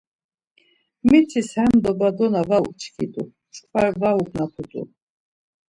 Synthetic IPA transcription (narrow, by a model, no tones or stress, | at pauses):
mit̪ʰishɛmd̪ɔbad̪ɔnavawut͡ʃʰkʰḭd̪ʼṵ | t͡ʃʼkʼvaɾvauɡnapʰut̪ʼṵ